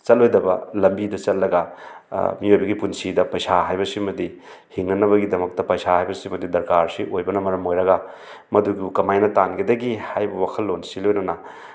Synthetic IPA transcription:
t͡ʃɐt̚lojdɐbɐlɐmbidɐt͡ʃɐt̚lːɐɡɐ | miojbɐɡipunsidɐpɐjsaɦajbɐsimɐdi | hiŋnɐnɐβɐɡidɐmɐk̚tɐpɐjsahajbɐsimɐdidɐɾkaɾsiʔojbɐnɐmɐɾɐmojɾɐɡɐ | mɐduɡiukɐmajnɐtanɡʰidɐɡihajbɐwakʰɐlːonsilojnonɐ

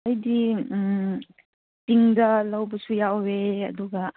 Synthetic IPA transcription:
ɐjdi | tiŋdɐlɐwbɐsujaweɐ̰duɡɐ

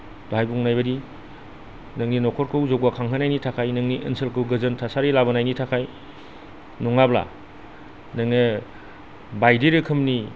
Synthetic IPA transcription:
doɦajbuŋnajbɐdi | nɯŋninɔkʰɔɾkʰɯwzɔwbakʰaŋɦʰɯnajnitʰakʰajnɯŋniʔənsɯlkʰɯwɡɯzɯntʰasaɾilabanajnitʰakʰaj | nɔŋabla̰ | nɯŋnɯ | bajdiɾɯkʰɯmni

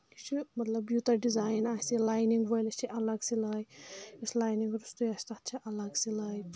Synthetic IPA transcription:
it͡ʃʰumɐt̪lɐbjuːt̪ɐɾɖizaːjnaːsilaːjniŋɡʋɐjlɐst͡ʃʰiʔɐlɐɡsilɐjislaːjniŋɡɾust̪ujɐst̪at̪t͡ʃʰiʔɐlɐɡsilɐj

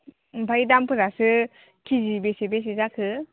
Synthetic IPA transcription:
bʱajdampʰɯɾasɯ | kʰizibesebes̬ezakʰɯ

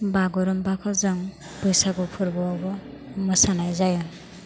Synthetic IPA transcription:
baɡɔɾɔmbakʰɔzaŋ | bɔjsaɡɔpʰɔɾbɔabɔ | mɯsanajzajɔn

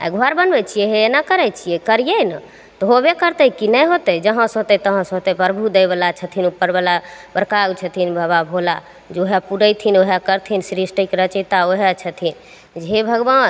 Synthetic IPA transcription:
a̰ɡʱoaɾbənbɛt͡ʃʰijɛɦeenakəɾɛjt͡ʃʰijɛkəɾijənə | t̪ɔɦobekəɾt̪əkinəjɦot̪əd͡ʒəɦə̃sɦot̪ət̪əɦə̃sɦot̪əpəɾbʱud̪ejbəlat͡ʃʰət̪ʰinupːəɾbəlabəɾkaɡt͡ʃʰət̪ʰinbəβabʱola | d͡ʒeoɦapuɾəjt̪ʰinoɦakəɾt̪ʰinsɾisʈəkɾət͡ʃət̪aoɦat͡ʃʰət̪ʰin | d͡ʒɦebʱəɡban

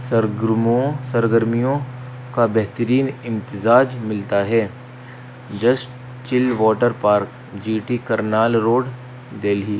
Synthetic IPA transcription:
sɐɾɡɾmõsɐɾɡəɾmijõ | kabɛɦt̪əɾiːnɪ̃mt̪ɪzaːd͡ʒmɪlt̪aɦɛː | d͡ʒɐsʈ | t͡ʃɪlʋɔːʈəɾpaːɾk | d͡ʒiːʈikɐɾnaːlɾoːɖ | d̪eːlɦiː

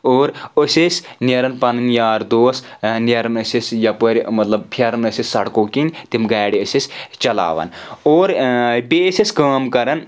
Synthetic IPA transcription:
oːɾəsʲisʲneɾɐnpɐnɐnjaːɾd̪oːsneɾɐnəsʲisʲjɐpəɾʲmɐt̪lɐbpʰɐɾɐnəsissɐɽkoːkinʲt̪imɡaːɽiəsʲisʲt͡ʃɐla̰ːʋɐ̰noːɾbesʲisʲkaːmkɐɾɐn

